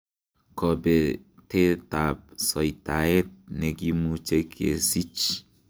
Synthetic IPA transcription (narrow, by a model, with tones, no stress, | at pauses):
kɔ˨bɛ˨tɛ˦ta˨p̚sɔ˨i˨ta˨ɛ˦t̚ne˨ki˦mu˦t͡ʃe˦kḛ˨si˦t͡ʃ